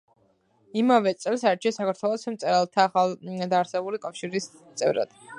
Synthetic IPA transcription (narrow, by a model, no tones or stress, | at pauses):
imavɛt̪sʼɛlˠsaɾt͡ʃʰiasakʰaɾt̪ʰwɛlˠɔsmt̪sʼɛɾalˠt̪ʰaːχald̪aːɾsɛbulikʼafʃiɾis | t̪sʼɛ̰vɾa̰d̪̥